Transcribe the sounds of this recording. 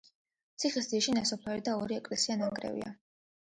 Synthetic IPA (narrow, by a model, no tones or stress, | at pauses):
t̪sʰiχis̬d̪iaʃinasɔpʰaɾid̪aɔɾiɛkʼlɛsianaŋɡʼɾɛ̰vḭa̰